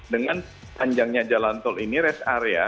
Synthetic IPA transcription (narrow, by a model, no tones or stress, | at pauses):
dəŋan | paɲd͡ʒaŋɲad͡ʒalant̪ɔliniɾɛsaɾea̰